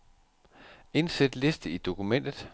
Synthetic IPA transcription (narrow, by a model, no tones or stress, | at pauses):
e̝nsed̥le̝sd̥əid̥o̝kumen̰d̥ð̩ˠ